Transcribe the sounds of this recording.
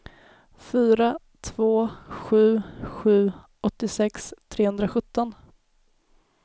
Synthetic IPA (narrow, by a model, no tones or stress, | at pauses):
fyːɾa | t̪ʰvoːɧʉ̟ːɧʉ̟ː | ʔɔt̪ːɪsɛkst̪ʰɾeːhɵnd̪ɾaɧɵt̪ːɔn